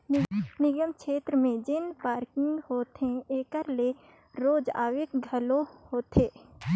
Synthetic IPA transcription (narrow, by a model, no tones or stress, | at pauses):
nɪɡəmkʃʰeːt̪ɾəmẽd͡ʒɪnpaːɾkɪ̃ŋɡhoːt̪ẽeːkəɾle | ɾoːd͡ʒa̰ːʋɪkɡʱɐlohoːt̪ʰeː